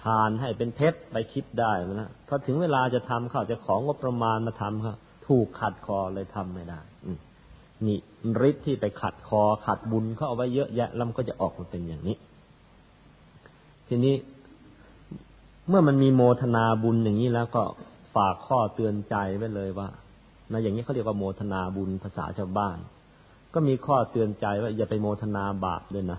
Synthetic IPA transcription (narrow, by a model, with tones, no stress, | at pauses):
t̪ʰaː˧nɦa˥˩jpe˧npʰe˦˥t̪̚pa˧jkʰi˦˥p̚daː˥˩jma˧˩nla˦˥pʰɔː˧˩t̪ʰɯ˨˩˦ŋweː˧laː˧t͡ɕa˨˩t̪ʰa˧mkʰa˥˩wt͡ɕa˨˩kʰɔː˩˦ŋo˦˥p̚ːɾa˧maː˧nmaː˧˩t̪ʰa˧mkʰa˥˩w | t̪ʰuː˨˩kʰːa˨˩t̪̚kʰɔː˧lɤː˧jt̪ʰa˧mːa˥˩jdaː˥˩jʔɯː˨˩ | niː˧˩ | ɾi˦˥t̪ʰːiː˥˩pa˧jkʰa˨˩t̪̚kʰɔː˧kʰa˨˩t̪̚bu˧nkʰa˥˩ʔa˨˩wa˦˥jːɤ˦˥ʔjɛ˦˥ʔlɛː˦˥wma˧kɔː˥˩t͡ɕa˨˩ʔɔː˨˩k̚maː˧pe˧nja̰ː˨˩ŋniː˦˥ | t̪ʰiː˧niː˦˥˨ | mɯ˥˩ɐma˧nmiː˧moː˧t̪ʰa˧naː˧bu˧njaː˨˩ŋːiː˦˥lɛː˦˥wkɔː˥˩ | faː˨˩kʰːɔː˥˩t̪ɯ˧ənt͡ɕa˧jwa˦˥˩lɤː˧jwaː˥˩ | na˧˥˩jaː˨˩ŋi˧˦˥ka˥˦ɾi˧˩əkwaː˥˩moː˧t̪ʰa˧naː˧bu˧npʰa˧sa̰ː˩˦t͡ɕʰaː˥˩˨baː˥˩n | kɔː˥˩miː˧kʰɔː˥˩t̪ɯ˧ənt͡ɕa˧jwaː˥˩jaː˨˩pa˧jmoː˧t̪ʰa˧naː˧ba̰ː˨˩p̚du˧˩˨jna˦˥